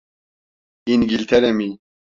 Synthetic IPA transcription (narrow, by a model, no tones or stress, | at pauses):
inɡilt̪ʰɛɾɛmi